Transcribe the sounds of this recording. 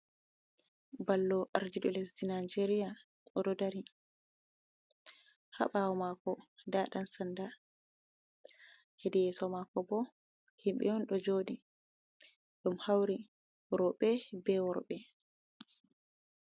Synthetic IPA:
balːɔʔaɾd͡ʒiɗɔlesdinad͡ʒeɾija | ɔdɔdaɾi | ha̰ɓawɔmakɔdaɗansanda | hedijɛsɔmakːɔbɔ | himɓɛ̰ɔnɗɔd͡ʒoɗi | ɗumhawɾi | ɾɔɓɛbɛwɔɾɓɛ

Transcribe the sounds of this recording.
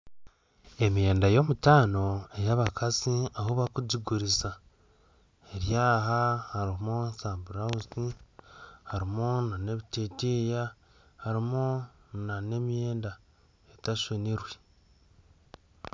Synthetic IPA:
e̞mje̞ːndajo̞mutaːno̞e̞jaβakʰaziahoβakuɟiɡuɾiza | eɾjaːɦahaɾimonzaːmbuɾauzi | haɾimonane̞βiteteja | haɾimonane̞mje̞ːnda | etaʃoniɾwe

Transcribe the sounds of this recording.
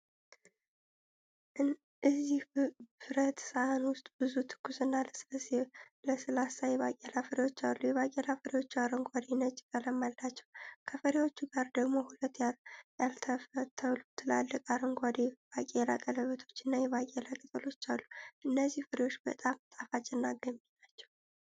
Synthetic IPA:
ɨzːihfɨɾət̪səʔanwʊst̪ʼbɨzut̪ʰɨ̥kʰːusɨnːaləslse | ləsɨlasajɛβakʼelafəɾewo̞t͡ʃːalːujɛβakʼelafəɾewo̞t͡ʃːuaɾəŋɡʷad̪enət͡ʃʼːɪkʼələmːalːat͡ʃːɛwkʰəfəɾewo̞t͡ʃːuɡaɾd̪əɡmo̞hulət̪ːjaljalt̪ʰəfət̪ʰːəlut̪ʰːɨlalːəkʼaɾəŋɡʷad̪eb̥akʼela̰kʼələβət̪ʰo̞t͡ʃːɨnːajɛβakʼelakʼɨt̪ʼɨlo̞t͡ʃːalːuʔɨnːəzːihfɨɾewo̞t͡ʃːbət̪ʼamt̪ʼafat͡ʃʼːɛnːaɡəminat͡ʃːɛ̥w

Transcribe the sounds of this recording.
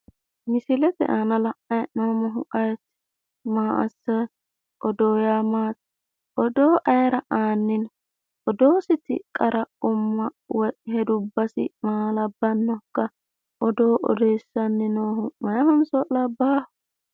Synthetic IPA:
mɪsɪlɛt̪ɛ̰ʔanɐlɐʔɐjnoːmɔɦʊʔɐjt̪ | maːʔɐ̰sːɐ | ʔɔd̪oːjaːmaːt̪ | ʔɔd̪oːʔɐjɾɐʔaːnːɪn | ʔɔd̪o̞ːsɪt̪ɪ̰kʼɐɾɐʊmːɐ | wɔhɛd̪ʊbːɐsɪ̰maːlɐbːɐnːɔkːɐ | ʔɔd̪oːʔɔ̰d̪ejsːɐnːɪnoːɦʊmɐjɐhɐnsɔlɐbːaːh

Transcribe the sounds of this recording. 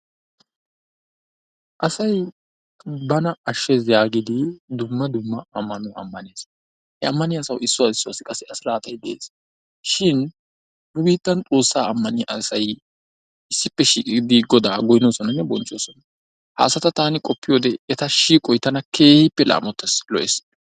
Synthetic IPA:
ʔɐsɐj | bɐnɐɐʃːɛzjaːɡɪd̪ɪd̪ʊmːɐd̪ʊmːɐɐmːɐnʊʔɐ̰mːɐneːs | hɛɐmːɐnɪɐsɐwɪsːʊwaːsɪsːʊaːsːɪkʼɐsːɛɐslaːt̪ɐjd̪ɛʔḛːs | ʃɪn | nʊbiːt̪ːɐnt͡sʼoːsːaːɐmːɐnɪʔɐsɐj | ɪsːɪpːɛʃiːkʼɪɡd̪ɪɡɔd̪aːɡɔjno̞ːsɔnɐnːɛbɔnt͡ʃʼːo̞ːsɔnɐ | ha̰ːsɐt̪ɐt̪aːnɪkʼɔpːɪjo̞ːd̪ɛɛt̪ɐʃiːkʼɔjt̪ɐnɐkʰe̞ːhɪpːɛlʔa̰ːmɔt̪ːɛslɔʔes

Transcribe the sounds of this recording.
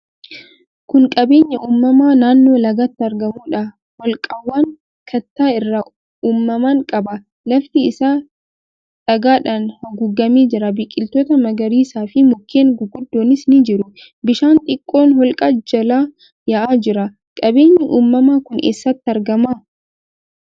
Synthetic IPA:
kʊŋkʼɐbe̞ːɲːɐʔuːmːɐmaːnaːnːo̞ːlɐɡɐt̪ːɪɐɾɡɐmuːᶑɐ | hɔlkʼɐwːaːŋ | kʰɐt̪ːaːɪrːɐ | uːmːɐmaːŋkʼɐbɐ | lɐft̪ɪɪsaː | ᶑɐɡaːᶑanhɐɡʊɡːɐmiːd͡ʒɪɾɐbɪkʼːɪlt̪oːt̪ɐmɐɡɐɾiːsaːfɪmʊkʰːeːŋɡʊɡʊd̪ːo̞ːnɪsnɪd͡ʒɪɾʊ | bɪʃaːnt̪ʼɪkʼːo̞ːnhɔlkʼɐd͡ʒɐlaː | jɐʔaːd͡ʒɪɾɐ | kʼɐbe̞ːɲːɐʔuːmːɐmaːkʊnʔḛːsːɐt̪ːɪɐɾɡɐma

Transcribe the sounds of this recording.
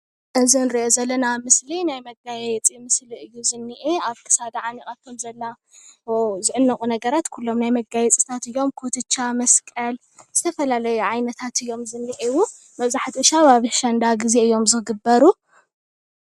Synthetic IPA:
ʔɨzinɾiʔozɐlːɐnamɨslinajmɐɡajjɛt͡sʼimɨsliɨjːuzɨnːiʔeaβkʰɨ̥sad̪aʕanikʼat̪kʰɐmzɐlːa | wzɨʕɨnːɐkʼunɐɡɐɾat̪kʰulːo̞mnajmɐɡajɛt͡sʼit̪ʰat̪ɨjːo̞mkʰot̪ʰɨt͡ʃːamɐskʼɐl | z̥ɨt̪ʰɐfɐlalɐjuʕajnɐt̪ʰat̪ʰɨjːo̞mzɨnːiʔewu | mɐβzaħt̪ʰiɨʃaβaβɨʃɐnd̪aɡize̞ɨjːo̞mzɨɡɨbːɐɾu

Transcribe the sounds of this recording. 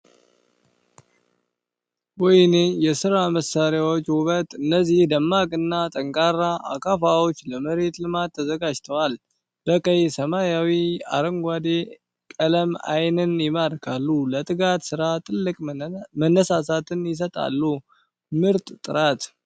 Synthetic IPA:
wɔjnejɛsɨɾaməsːaɾjawot͡ʃːwʊβət̪ʼɨnːəzihd̪əmːakʼɨnːat̪ʼəŋkʼaɾːaʔa̰kʰʼafawot͡ʃːləməɾe̞t̪lɨmat̪ʰːəzəɡad͡ʒt̪ʰəwal | b̥əkʼəjsəmajawia̰ɾəŋɡʷad̪e | kʼələma̰jnɨnjɪmaɾkʰalːulət̪ʼɨɡat̪sɨɾat̪ʼɨlːɨkʼmənːəsasat̪ɨnjɪs̬ət̪ʼa̰lːu | mɨɾt̪ʼt̪ʼɨɾat̪

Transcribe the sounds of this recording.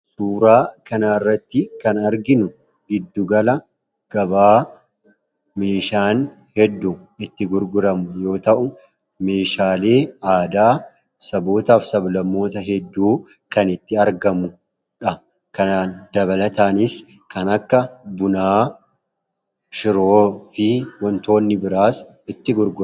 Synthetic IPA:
suːɾaːkɐnaːɪrːɐt̪ːɪkɐnɐɾɡɪnʊ | ɡɪd̪ːʊɡɐlɐ | ɡ̥ɐbaː | meːʃaːn | hɛd̪ːʊ | ɪt̪ːɪɡʊɾɡʊɾɐmʊjo̞ːt̪ɐʔʊ | me̞ːʃaːle̞ːaːd̪aː | sɐboːt̪aːfsɐblɐmːo̞ːt̪ɐɦɛd̪ːuː | kɐnɪt̪ːɪɐɾɡɐmʊ | ᶑɐ | kɐnaːnd̪ɐβɐlɐt̪aːnɪs | kɐnɐkːɐbʊnaː | ʃɪɾoːfɪwɔnt̪o̞ːnːɪbɪɾaːs | ɪt̪ːɪɡʊɾɡʊ

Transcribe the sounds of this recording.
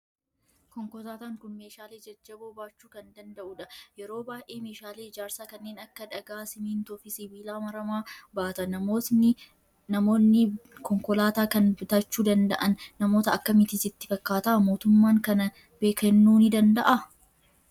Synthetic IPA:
kɔŋkɔlaːt̪aːŋkʊnmeːʃaːleːd͡ʒɐd͡ʒːɐboːbaːt͡ʃːuːkɐnd̪ɐnd̪ɐʔʊᶑɐjɛɾo̞ːbaːjʔe̞ːme̞ːʃaːle̞ːɪd͡ʒaːɾsaːkɐnːeːnɐkːɐᶑɐɡaːsɪmiːnt̪ɔfɪsɪbiːlaːmɐɾɐmaːbaːt̪ɐnɐonɪ | nɐmoːnːɪkɔŋkɔlaːt̪aːkɐnbʊt̪ɐt͡ʃːuːd̪ɐnd̪ɐʔɐnːɐmo̞ːt̪ɐɐkːɐmɪt̪ɪsɪt̪ːɪ̥fɐkːaːt̪ɐʔɐmo̞ːt̪ʊmːaːŋkɐnɐ | b̥eːkɐnːuːnɪd̪ɐnd̪ɐʔɐ

